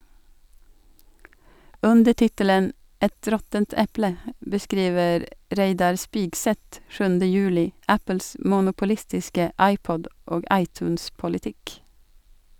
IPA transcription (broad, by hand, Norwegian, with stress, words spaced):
ˈʉndə ˈʈɪtələn ˈɛt ˈɾɔtənt ˈɛplə bəˈskɾiːʋəɾ ˈɾeɪdɑɾ ˈspɪɡsɛt ˈʃʉːndə ˈjʉːlɪ ˈæpəls mʊnʊpʊˈlɪstɪskə ˈɑɪˌpɔd ˈoːɡ ˈɑɪˌtʉːnspʊlɪˌtɪk